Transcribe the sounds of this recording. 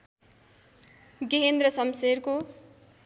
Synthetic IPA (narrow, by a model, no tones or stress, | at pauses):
ɡeɦend̪rʌsʌmserko